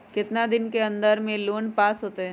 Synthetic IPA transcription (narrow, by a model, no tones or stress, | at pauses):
kɪt̪nad̪ɪnkeɐ̃nd̪əɾmẽloːnpaːsɦoːt̪eɦɛ̃ː